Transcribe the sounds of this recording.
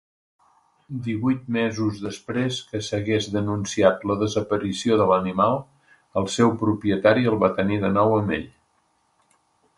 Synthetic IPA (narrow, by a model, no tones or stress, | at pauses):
d̪iβujt̪̚mɛzuzðəspɾeskəsəɣezðənunsiat̪ləðəzəpəɾisioðələnimalˠ | əlˠsɛwpɾupiət̪aɾiəlˠβat̪əniðənɔwəmḛʎ